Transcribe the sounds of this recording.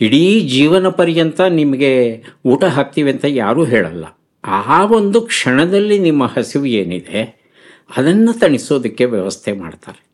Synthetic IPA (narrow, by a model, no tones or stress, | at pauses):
iɽiːd͡ʒiːʋɐnɐpɐɾijɐnt̪ɐnimɐɡe̞uːʈɐɦaːk̚t̪iːʋiɐnt̪ɐja̰ːɾuːɦɛːɭɐ̰lːɐ̰ | aʋo̞nd̪ukʂɐɳɐd̪ɐlːinimːɐhɐsiʋueːnid̪e̞ | ɐd̪ɐnːɐt̪ɐɳiso̞ːd̪ɐkːe̞ʋjɐʋɐst̪ʰema̰ːɖt̪a̰ːɾe